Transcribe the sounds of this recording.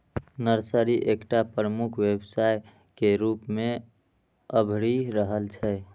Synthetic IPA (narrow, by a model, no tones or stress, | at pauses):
nəɾsəɾiʔekʈapɾəmukʰwebsaj | keɾupme | əbʱɾiɾəɦəlt͡ʃʰɛ